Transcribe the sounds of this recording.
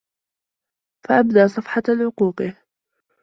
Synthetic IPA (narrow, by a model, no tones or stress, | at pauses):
faʔabd̪aʔsˤɑfħɑʕʊquːqɨ